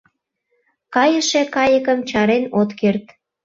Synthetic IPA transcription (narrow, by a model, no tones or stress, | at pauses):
kɑjəʃekɑjəkəmt͡ɕɑɾenot̪kert̪